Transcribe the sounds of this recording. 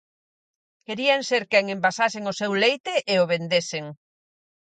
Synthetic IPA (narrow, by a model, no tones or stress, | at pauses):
keɾiaŋseɾkɛŋembasaseŋʊsewlejt̪eʔeoβend̪eseŋ